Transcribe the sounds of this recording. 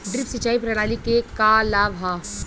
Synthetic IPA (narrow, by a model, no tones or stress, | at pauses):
ɖɾɪpsit͡ʃaːipɾəɽaːlikekaːlaːʋɦa